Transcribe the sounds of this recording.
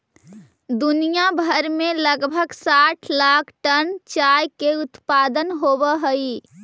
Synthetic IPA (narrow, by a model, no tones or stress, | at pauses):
d̪unijabʱəɾmeləɡbʱəɡsaʈʰlakʰʈənt͡ʃajkeut̪pad̪ənɦobəɦəi